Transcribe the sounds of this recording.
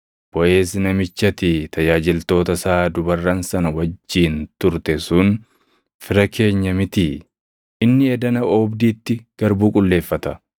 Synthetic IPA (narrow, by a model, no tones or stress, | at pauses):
b̥ɔʔe̞ːsɪnɐmɪt͡ʃːɐt̪ɪt̪ʰɐjaːd͡ʒɪlt̪o̞ːt̪ɐsaːd̪ʊbɐrːɐnsɐnɐwɐd͡ʒːiːnt̪ʊɾt̪ɛsʊn | fɪɾɐkʰe̞ːɲːɐmɪt̪i | ʔɪnːɪɛd̪ɐnɐɔːbd̪iːt̪ːɪɡ̥ɐɾbuːkʼʊlːe̞ːfːɐt̪ɐ